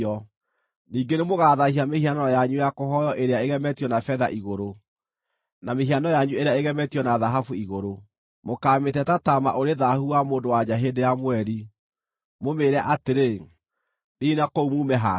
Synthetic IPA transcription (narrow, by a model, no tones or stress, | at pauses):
ɔ | niːŋɡenemoɣaːðahiamehianɔjaɲujakoɦɔjɔʔeɾeaeɣɛmɛtijɔnafɛða̰ʔiɣoɾo | nameɦianɔjaɲueɾeaeɣɛmɛtijɔnaðaɦafuiɣoɾo | mokaːmetɛtatama̰ʔoɾeðahuwamoːndowad͡ʑaɦedejamwɛɾi | momeːɾɛaʔateɾe | ninakoumuːmɛɦa